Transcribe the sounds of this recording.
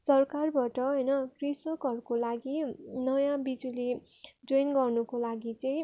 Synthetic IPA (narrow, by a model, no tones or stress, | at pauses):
sʌrkarbaʈʌɦʌjnʌkrisʌkɦʌɾukolaɡinʌjãbid͡zule | d͡zojnɡʌrnukolaɡit͡sʌĩ